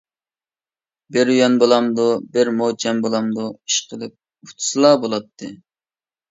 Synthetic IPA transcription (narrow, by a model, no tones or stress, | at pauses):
bɪɾjɛnbolˠɑmd̪ubɪɾmot͡ʃʰɛmbolˠɑmd̪uiʃqʰəlˠɨp̚ | u̥t̪ʰsɨlˠɑbolˠɑt̪ʰːɨ